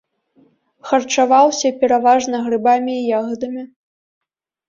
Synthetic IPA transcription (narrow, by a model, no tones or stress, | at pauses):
xɐrt͡ʂavawsʲɐpʲɛɾavaʐnɐɣrɨbamʲiːjaɣɐd̪ɐmʲi